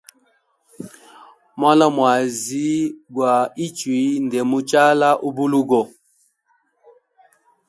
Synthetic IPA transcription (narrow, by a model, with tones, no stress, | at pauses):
mwa˦la˦mwa˨zi˦ɡwa˨i˦t͡ʃwi˨˦ndɛ˨mu˦t͡ʃa˦la˦ʔu˦bu˦lu˦ɡɔ˦